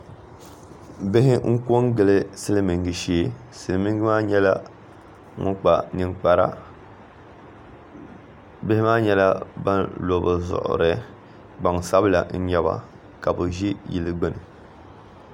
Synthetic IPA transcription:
bɪ˦ɦɪ˦ŋ̩˦ku˦o˦ŋɡɨ˦lɨ˦sɨ˦lɨ˦mɨ˨ŋɡɨ˨ʃeː˨˦ | sɨ˨lɨ˨mi˦ŋ˦ɡɨ˦maː˦ɲɛ˦la˦ | ŋʊ̰˦k͡pa˨nɨ˨ŋk͡pa˨ɾa̰˦ | bɪ˦hɪ˦maː˦ɲɛ˦la˦ba˦nlo˨bɨ˨zʊ̰˨ʔʊ̰˨ɾɛ˨ | ɡ͡ba˨ŋsa˦bɨ˦la̰˨n̩˦ɲɛ˦ba̰˨ | ka˨bu˨ʒi˦ji˨lɨ˨ɡ͡bɛ˦nɨ̰˨

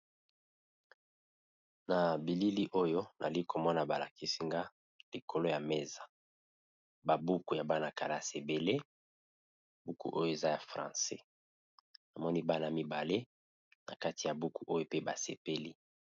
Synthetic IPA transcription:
na˨bi˨li˦li˦ʔo˦jo˦nʔa̰˨li˦kʰo˨mɔ˦na˨ba˨la̰˨ki˨˦si˦ŋɡa˦ | li˨kʰo˨lo˦ja˨me˦za˨ | ba˨bu˦ku˨ja˨ba˦na˨ka˨la˨se˨be˨le˦ | bu˦kṵ˦ʔo˦jo˨e˨za˦ja˨fʁã̰˨sɛ˦ | na˨mɔ˦ni˦ba˦na˨mi˨ba˨le˦ | na˨ka˦ti˨ja˨bu˦ku˦ʔo˦jo˦pe˦ba˨se˨pe˦li˦

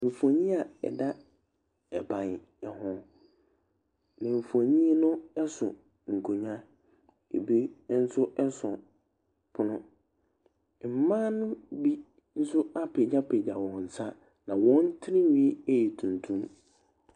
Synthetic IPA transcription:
m̩˨fɔ̃˨ɲĩ˦a˨ɛ̰˨da˦ | ɛ˨bã˨n˨ | ɛ˨hʊ̃˨˦ | nɪ̃˨m̩˨fu˨ɔ̃˨ɲĩ˦nʊ̃˦ɛ˦sʊ̰˨ | ŋ̩˨kʰo˨ɲã˦ | ḛ˨bi˦n̩˦sʊ˦ɛ˦sʊ̃˨ | pʰʊ˦nʊ̃˦˨ | m̩˨mãː˦nʊ̃˦bi˦ | n̩˦sʊ˦a˦pʰɛ˨d͡ʑa˦pʰɛ˨d͡ʑa˨wɔ̃˨n̩˨sa˦ | nã˨wɔ̃˦n˦tʰɪ˦ɾɪ̃˦nĩ˦e˦ɛ˦ji˨tʰũ˨ntʰũ˦m

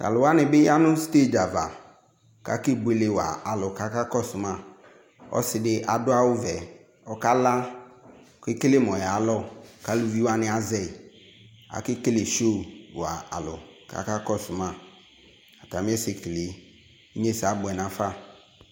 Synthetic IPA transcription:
ka̰˨lʊ˨wa˦nɪ˨bɪ˦ja˦nʊ˦ste˦˨d͡ʒa˨va˨ | ka̰˨˦kɪ˦be˦le˨wa̰˨a˨lʊ˨ka˦ka˦kɔ˦sʊ˨ma˦˨ | ɔ̰˦sɪ˨dɪ˦ʔa˨dʊ˦a˦wʊ˦vɛ˨ | ɔ˦ka˦la˦˨ | kɪ˦ke˦le˦m˨ɔ˨ja˨˦lɔ˦˨ka˨˦lu˦vi˦wa˦nɪ̃˨a˨zɛ˦˨ | a̰˨kɪ˦ke˦le˨ʃo˦˨wa˨a̰˨lʊ̰˨ka̰˨ka˦kɔ˦sʊ˨ma˦˨ | a˨ta˨m˦ɛ˦se˨ki˨le˨ | i˦ɲe˦sa˨˦bʊ˨ɛ˨n˨a˨fa˦

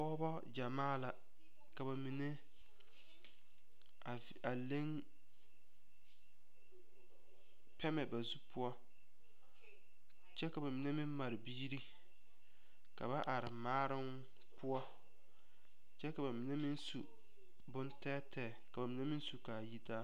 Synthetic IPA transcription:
ɔː˦bɔ˦ | d͡ʒa˨maː˦la˨ | ka˨ba˨mi˨ne˦ | a˨ | a˨le˦ŋ | pɛ˦mɛ˨ba˨zu˦pʊ˦ɔ˦ | t͡ʃɛ˦ka˨ba˨mi˨ne˦mɪ˦mma˨ɾɪ˨biː˦ɾi˦ | ka̰˨ba˦ʔa˨ɾɪ˨maː˦ɾɪ˦ŋ | pʊ˦ɔ˦ | t͡ʃɛ˦ka˨ba˨mi˨ne˦mɪ˦nsṵ˨ | bʊ˦ntɛː˦tʰɛː˨ka˨ba˨mi˨ne˦mɪ˦nsu˨kaː˨ji˦taː˦

